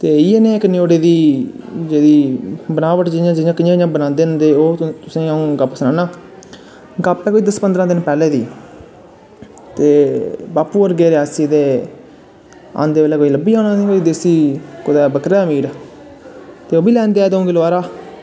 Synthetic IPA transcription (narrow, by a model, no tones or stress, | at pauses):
t̪eːiːeːnẽːɪknɪjoːɽeːd̪iː | d͡ʒeːdiːbənaːʋəʈd͡ʒɪjãːd͡ʒɪjãːkɪjãːãːbənãːnd̪eːə̃nd̪eːoːt̪ʊsĩːaũːɡəpsənãːnãː | ɡaːpɛ̃ːkoːiːd̪əspənd̪ɾãːd̪ɪnpɛːleːd̪ḭː | t̪eːbaːpuːəɾɡeːɾɪaːsiːd̪eː | a̰ːnd̪eːʋeːlɛːkoːiːləbiːaːnãːnĩːkoːiːd̪eːsiːkʊd̪ɛːbəkɾeːmiːɾ | t̪eːoːbiːlɛ̃ːnd̪eɛːd̪õːɡɪlaːɾaː